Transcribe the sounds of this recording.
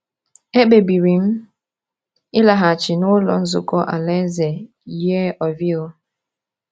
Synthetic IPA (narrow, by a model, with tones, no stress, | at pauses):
e˦ɓe˨bi˨ɾi˨˦m̩˦ | i˦la˨ɦa˨t͡ʃi˨no˦lɔ̰˨n̩˦zṵ˨kɔ˦ʔa̰˨lɛ˦zɛ˨ | jɛ˦ʔɔ˨vi˦o˦